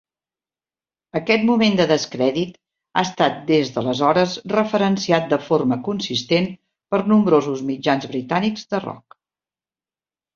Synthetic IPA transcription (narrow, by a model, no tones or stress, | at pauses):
əkɛt̪mumend̪əðəskɾɛðit̪ | a̰əst̪at̪̚d̪ezðələzɔɾəsrəfəɾənsiat̪̚d̪əforməkunsist̪en | pəɾnumbɾozuzmid͡ʒanzβɾit̪anikzðərɔ̰k̚